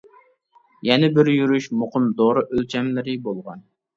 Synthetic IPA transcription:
jɛnɪbɪɾjyɾyʃmoqəmd̪oɾɨʔølt͡ʃʰɛmlɪɾɪbolˠʁɑn

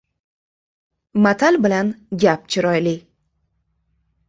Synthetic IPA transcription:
mat̪ʰalbɪlanɡʲap̚t͡ʃʰɪɾɒjlɪ

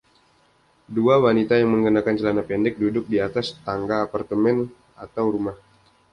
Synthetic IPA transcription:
duawanit̪ajaŋməŋɡənakant͡ʃəlanapɛndɛk̚dudʊk̚diat̪ast̪aŋɡaːpart̪əmɛn | at̪awɾumah

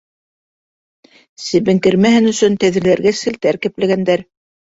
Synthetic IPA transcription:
sɘ̆βɘ̆ŋkɘ̆ɾmæɦɘnɵ̆sɵnt̪æðɘ̆ɾlæɾɡæsɘ̆lt̪æɾkɘ̆plæɡænd̪æɾ

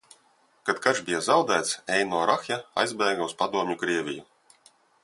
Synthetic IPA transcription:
kat̪kaʒbʲijazawd̪æːt̪sɛjnɔɔɾaxjaa̰jzbʲɛːɡauspad̪uɔmɲukɾiɛvʲḭju

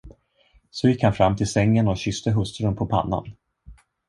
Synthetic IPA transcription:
sɔjɪkːhanfɾamːt̪ʰɪlsɛŋːənɔɕʏst̪əɦɵst̪ɾənpʰɔpʰa̰nːa̰n

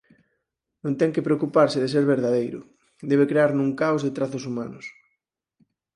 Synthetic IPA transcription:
nõnt̪ɛŋkepɾeokupaɾsɪðeseɾβeɾðaðejɾʊ̰ | d̪eβekɾeaɾnũŋkaozðet̪ɾaθʊsuma̰nʊs

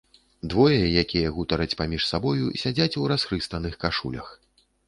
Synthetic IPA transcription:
d̪vɔjɐjakʲijɐɣut̪ɐɾɐt͡sʲpamʲiʂsabɔjusʲad͡zʲat͡sʲuɾasxɾɨst̪ɐnɨxkaʂṵlʲɐ̰x

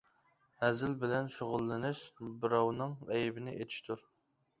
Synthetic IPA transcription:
hɛzɪlbɪlɛnʃoʁʊlˠːɨnɪʃbɨɾɑwnɨŋɛjbɪnɪʔet̪ʰɪ̥ʃt̪ʰuɾ

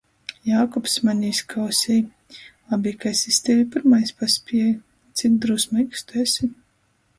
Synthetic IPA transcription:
jaːkɔpsmanʲiiskʰawsʲijˠ | abʲiːkasʲisʲt̪ɛvipʲiɾmajspaspʲiɛj | t̪sʲik̚d̪ɾusmiːkst̪uɛsʲi

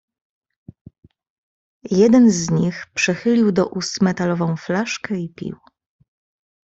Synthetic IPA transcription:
jɛd̪ɛnzɲixpʂɛxɘlʲiwd̪ɔʔust̪mɛt̪alɔvɔ̃w̃flaʂkɛipʲḭw

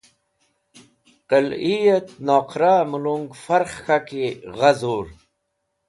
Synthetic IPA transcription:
qəlijat̪noːqʰɾaːmuluŋɡfaɾχxakiʁazuɾ

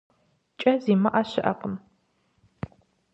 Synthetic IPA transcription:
t͡ʃʼɐziːmɐʔaɕɪʔɐ̰qəm

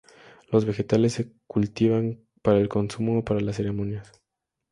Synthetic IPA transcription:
lo̞zβe̞xe̞t̪ale̞s̬ːekult̪iβaŋ | paɾaelko̞nsumoːpaɾalas̬e̞ɾe̞mõ̞njas

